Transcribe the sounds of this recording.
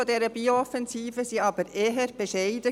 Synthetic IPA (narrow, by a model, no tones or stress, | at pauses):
odɛːɾəbiːoɔfɛnziːvəsiːɑːbəɾeːɦəɾb̥eʃeɪdə